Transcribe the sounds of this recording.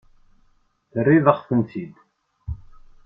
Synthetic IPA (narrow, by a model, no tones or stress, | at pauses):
θərːiðəʁθənt̪id̪